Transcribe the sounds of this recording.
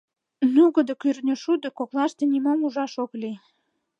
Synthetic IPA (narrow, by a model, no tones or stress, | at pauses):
nuɣəd̪ə̆kyrnʲəʃud̪əkoklɑʃt̪enʲimomuʒɑʃokli